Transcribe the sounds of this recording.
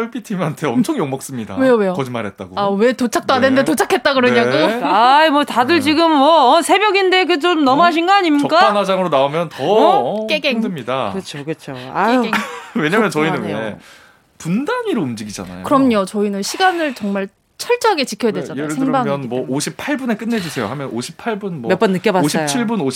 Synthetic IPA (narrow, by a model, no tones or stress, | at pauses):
ʌɭp͈ʰitʰimantʰe̞ʌmt͡ɕʰʌŋjoŋmʌk̚s͈ɯmɲida̰we̞jowe̞jokʌd͡ʑimaɾɦe̞t̚t͈aɡoawe̞tot͡ɕʰak̚t͈oadenndetot͡ɕʰakʰe̞t̚t͈aɡɯɾʌɲaɡoaimwʌtadɯɭt͡ɕiɡɯmːʌːsʰe̞bjʌɡinde̞k̬ɯt͡ɕomnʌmoɦaɕ̬ʰinɡaaɲimik͈aanad͡ʑaŋɯɾonaomjʌntʌk͈eɡeŋdɯmɲidakɯt͡ɕʰokɯt͡ɕʰoa̰eweɲamjʌnt͡ɕʌinɯne | pundaɲiɾoumd͡ʑiɡid͡ʑa̰na̰jokɯɾʌmɲot͡ɕʌinɯnɕʰiɡanɯɭt͡ɕʌŋmaɭ | t͡ɕʰʌɭt͡ɕ͈ʌɦaɡe̞t͡ɕikʰjʌjadwed͡ʑanaoɾseŋbamjʌnmwʌʔoɕʰipʰaɭbune̞k͈ɯnːe̞d͡ʑusʰe̞jo̰hamjʌnoɕʰipʰaɭbunmwomjʌp͈ʌnːɯk͈jʌbaoɕʰiap̚t͡ɕʰiɭbuno